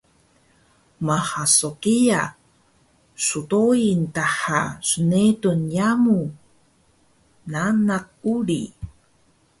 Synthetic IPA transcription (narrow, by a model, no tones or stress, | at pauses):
mahasokija | sutointaħasənetunjamu | nanak̚uɾi